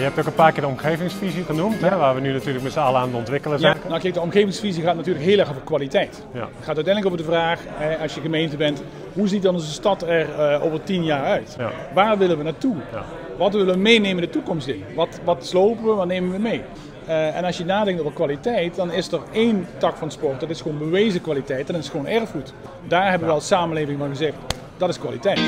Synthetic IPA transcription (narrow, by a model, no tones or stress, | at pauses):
jəɛp̚tokəpaːkɪːɹdəɔmχeːvɪŋsfiziɣənumtɛʋaːɹʋənynatyːləkmɛtsalˠaːndəɔntʋɪkələzjanakɛjk̚dəɔmɣeːvɪŋsfiziɣaːtnatyːɹrləkɦɪːlˠɛrɣovəɹkʋalitɛjt | ətχaːtœɥtɛjnləkoːvəɹdəvraːχɛɑsjəɣəmejntəbɛnt | ɦuzit̚dɑnɔnzəstɑtɛro̰ːvəɹtinjaːrœɥt | ʋaːrʋɪlənʋənaːtu | ʋɑtʋɪləʋəmejnejməndətukɔmstɪnəʋɑtʋɑtslowpənʋəʋɑtnejmənʋəmej | ɛ̰nɑsjənaːdɛŋktowvəkʋalitɛjt̚dɑnɪsdəɹejntɑkfɑnspɔrt̚dɑtɪsχʋoːnbəʋejzəkʋalitɛjtɛnɑtɪsχəʋownʔɛrfχut | daːɹɦɛbəʋəlˠsaːmənlejvɪŋvɑnχəzɛxt | d̥ɑtɪskʋaːlitɛjt